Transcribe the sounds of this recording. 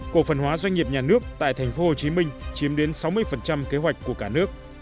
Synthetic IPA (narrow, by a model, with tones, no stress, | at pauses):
ku˨˩ək̚fə˨˩nɦwaː˨˦zwa˧jŋ̟ːi˨˩əp̚ɲaː˨˩nɨ˦˥ək̚t̪a̰ː˧˨jt̪ʰɛ˨˩ŋ̟fo˨˦ho˨˩t͡ɕi˨˦mï˧ŋ̟t͡ɕi˨˦əmɗe˨˦nsa˨˦wmɨ˧əjfə˨˩nt͡ɕa˧mke˨˦ɦwa˨˩jk̟̚ʲkːu˧˩əkaː˧˩nɨ˦˥ək̚